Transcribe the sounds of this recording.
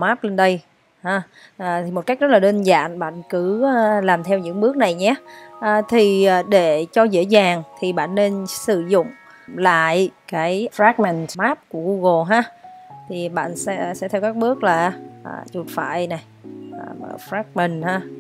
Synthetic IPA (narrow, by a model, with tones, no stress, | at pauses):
maː˦˥p̚le˧nɗə˧j | haː˨˧˩ | ʔa˨˩t̪ʰi˨˩mo˨˩t̚ka˦˥k̟zt̚laː˨ɗe˧nza̰ː˧˨nɓa̰ː˧˨nkɨ˧˥˧laː˨˩mt̪ʰɛ˧wɲɨ̰˧˥ŋɓɨ˦˥k̚na˨˩jɲɛ˨˦ʔəː˨˩t̪ʰi˨˩ʔːɗe˧˩t͡ɕɔ˧zḛ˧˥zaː˨˩ŋt̪ʰi˨˩ɓa̰ː˧˨nːe˧nsɨ˧˩zʊ̰˧˨ŋ͡m | la̰ː˧˨jkaː˨˦jfɾaː˦˥k̚mɛ˨˩nmaː˦˥p̚ku˧˩əɣu˧ɣo˨˩ɦaː˧t̪ʰi˨˩ɓa̰ː˧˨nsɛ̰˧˥sɛ̰˧˥t̪ʰɛ˧wkaː˦˥k̚ɓɨ˦˥ək̚laː˨˩aː˨˩t͡ɕu˨˩t̚fa̰ː˧˨jna˨˩j | a˨˩˧fɾaː˦˥k̚mi˨˩nhaː˧